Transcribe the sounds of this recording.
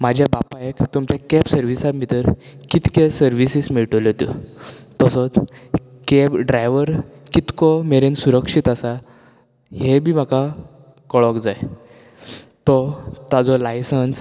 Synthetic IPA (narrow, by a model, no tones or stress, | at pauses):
mad͡ʑʱjabapaekt̪umt͡ɕjakɛpsəɾʋisat̪mit̪əɾkit̪kesəɾʋisismiɭʈɔlt̪ṵt̪ɔsɔt͡s | kepɖɾajʋəɾ | kit̪kɔmeɾensuɾəkʂit̪asa | hebʱim̤aka | kəɭɔkd͡zaj | t̪ɔt̪ad͡zɔlajsəns